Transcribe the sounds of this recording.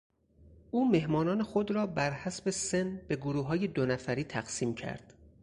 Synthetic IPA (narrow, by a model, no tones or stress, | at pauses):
ʔuːme̞ɦmɒːnɒːne̞xo̞d̪ɾɒːbæɾhæsbe̞senb̥e̞ɡoɾuːɦɒːje̞d̪onæfæɾiːt̪ʰæɡ̥siːmcʰæ̰ɾd̪̥